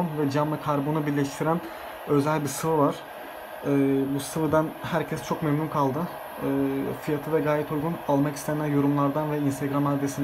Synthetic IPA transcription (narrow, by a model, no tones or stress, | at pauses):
nvɛd͡ʒamːˠɯkʰaɾbonubiɾlʲɛʃt̪ʰiɾæn | ø̞zælʲbiɾsɯvɯvaɾ̥ | ɯːbusɯvɯd̪anhæɾcʰɛst͡ʃʰo̞kmemnunkʰalˠd̪ɯ | ɯːfijat̪ʰɯd̪aɡaːjɛt̪ʰujɡunalˠmakʰi̥st̪ʰenænjo̞ɾumlˠaɾd̪anvɛinst̪ʰeɡɾamaɾd̪esin